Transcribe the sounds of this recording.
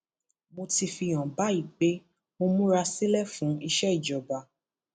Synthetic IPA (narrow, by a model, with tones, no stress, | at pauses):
mo˧ti˧fi˧j̃ɔ̃˨ba˨˦i˦˨ɡ͡be˨˦ | mo˧mũ˦ɾa˧si˦lɛ˦˨fũ˨˦i˧ʃɛ˦i˦˨d͡ʒɔ˨ba˨